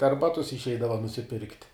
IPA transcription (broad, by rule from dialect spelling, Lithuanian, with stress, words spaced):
dɐr ˈbɑːtʊs ɪʃʲˈɛɪdɐʋɐ nʊsʲɪˈpʲɪrktʲ